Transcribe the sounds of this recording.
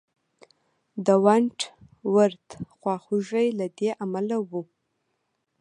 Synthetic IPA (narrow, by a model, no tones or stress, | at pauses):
d̪əwaɳʈ | waɾt̪xwɑxuʒajlad̪eʔamalawu